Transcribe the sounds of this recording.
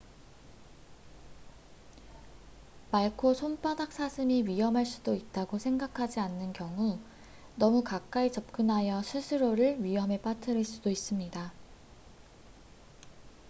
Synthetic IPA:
maɭkʰosʰonp͈adak̚s͈asʰɯmiɥijʌmɦaɭs͈udoit̚t͈aɡosʰe̞ŋɡakʰad͡ʑianːɯnkjʌŋu | nʌmukak͈̚ait͡ɕʌp̚k͈ɯnɦajʌsʰɯsʰɯɾoɾɯɭɥiɦʌme̞p͈atʰɯɾɯɭs͈udois͈ɯmɲida

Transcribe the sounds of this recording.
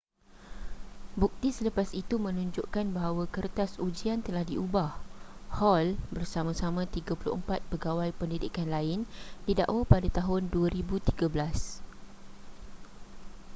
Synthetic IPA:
buk̚t̪isələpasit̪umə̃nũɲd͡ʒoʔkanbaɦawakərt̪asud͡ʒiant̪əlahdiubahhɔlbərsamãsamãt̪iɡapulʊ̰ʔəmpat̪̚pəɡawajpəndidikanlaɪnd̥ida̰ʔwapadat̪aɦʊnduaɾibut̪iɡabəlas

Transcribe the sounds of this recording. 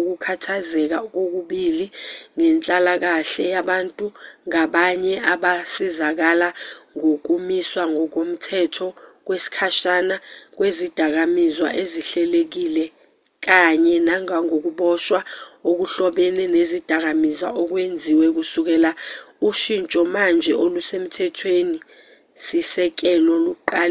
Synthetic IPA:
uk̬ukʰatʰazɛk̬ak̬ok̬uɓiliŋɛnt͡ɬʼalak̬aɬɛjaɓantʼuŋaɓaɲɛaɓasizak̬alaŋok̬umiswaŋɔk̬om̩tʰɛtʰɔk̬wesi̥kʰaʃanak̬wezid̥ʱak̬amizwa̰ʔeziɬɛlek̬ilɛ | k̬aɲɛnaŋaŋok̬uɓɔʃwaok̬uɬɔɓɛnɛnezid̥ʱak̬amiza̰ɔk̬wend͡zʱiwɛk̬usuk̬ɛːlauʃint͡ʃʼɔmand͡ʒʱɛolusem̩tʰɛtʰweni | sisɛk̬ɛlɔluk̬uǃaːl

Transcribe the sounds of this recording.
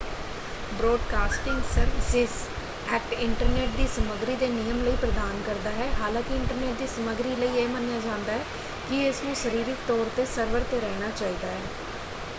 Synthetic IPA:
bɾoːɖkaːsʈɪ̃ŋɡsəɾʋsɪs | ɛːkʈɪɳʈəɾneːʈ̚d̪iːsəməɡɾiːd̪eːnɪjəmləiːpɾəd̪aːnkəɾd̪aːɦɛːɦaːlãːkɪɪɳʈəɾneːʈ̚d̪iːsəməɡɾiːləiːeːmənjaːd͡ʒãːnd̪aːɦɛː | kɪɪsnũːʃəɾiːɾɪk̚t̪ɔːɾt̪eːsəɾʋəɾt̪eɾɛːnaːt͡ʃaːiːd̪aːɦɛː

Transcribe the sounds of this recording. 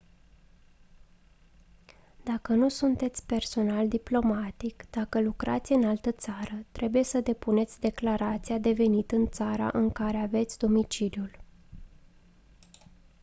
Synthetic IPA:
d̪akənusunt̪e̞t̪sʲpe̞rso̞nald̪iplo̞mat̪ikd̪̥akəlukɾat̪sʲɨnalt̪ət̪saɾət̪ɾe̞buje̞səd̪e̞pune̞t̪sʲd̪e̞klaɾat̪sijad̪e̞ve̞nit̪ɨnt̪saɾa̰ʔɨŋkaɾe̞ave̞t̪sʲd̪o̞mit͡ʃiljul

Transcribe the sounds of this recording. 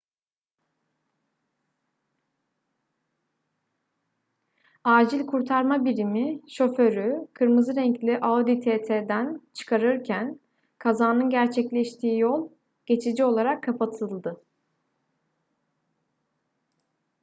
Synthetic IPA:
aːd͡ʒilʲkʰuɾt̪ʰaɾmabiɾimiʃo̞fø̞ɾykʰɯɾmɯzɯɾɛɲclʲiʔaod̪it̪ʰet̪ʰed̪ænt͡ʃʰɯ̥kʰaɾɯɾcʰæn | kʰazaːnɯnɟæɾt͡ʃʰɛclʲɛʃt̪ʰiːjolˠ | ɟ̥e̞t͡ʃʰid͡ʒio̞lˠaɾakʰːapʰat̪ʰɯlˠd̪ɯ

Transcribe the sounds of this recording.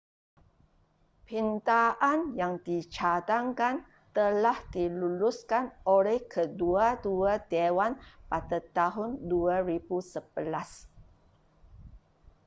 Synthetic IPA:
pint̪aʔanjaŋdit͡ʃat̪aŋkan | t̪əlahdiluluskanolɛhkʰəduaduadewanpat̪ət̪aɦʊnduaɾibusəb̥əlas

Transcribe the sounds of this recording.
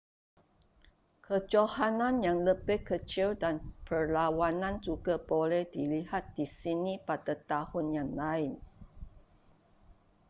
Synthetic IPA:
kʰəd͡ʒohanãnjaŋləbɪhkət͡ʃildanpərlawanãnd͡ʒuɡabolɛhdilihat̪̚d̥isinipadat̪ahʊnjaŋlaɪn

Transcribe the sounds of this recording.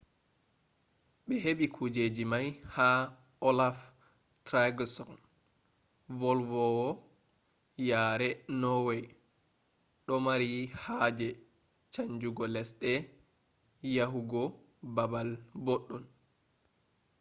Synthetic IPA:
ɓɛɦeɓikʰud͡ʒed͡ʒimajha | ɔlaf | tɾaɡsɔn | vɔlvɔwɔ | jaːɾɛnɔwɛj | ɗɔmaɾihaːd͡ʒɛ | t͡ʃaɲd͡ʒuɡɔlɛsɗɛ | jaɦuɡɔ | babalboɗːun

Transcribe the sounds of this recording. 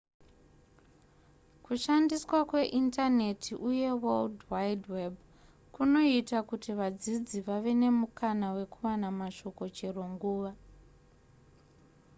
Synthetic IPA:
kuʃandiswakwe̞ʔintane̞tʰiʔuje̞woldwaidweb | kuno̞itakutiʋad͡zid͡ziʋaʋe̞ne̞mukʰanawe̞kuwanamaʃo̞ko̞t͡ʃe̞ro̞ŋɡuːʋa

